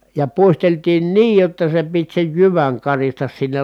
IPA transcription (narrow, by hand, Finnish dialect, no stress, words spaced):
jɑ puisteltiːn niːj jotːɑ se pit sej jyʋæŋ kɑristɑs sinːel